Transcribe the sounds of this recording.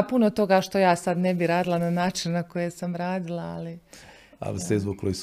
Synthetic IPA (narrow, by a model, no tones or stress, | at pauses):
punot̪o̞ɡaʃt̪o̞jaːsad̪nebiɾaːd̪ilˠananaːt͡ʃinːakojesamɾaːd̪ilˠaa̰li | a̰lisezbokʰːojis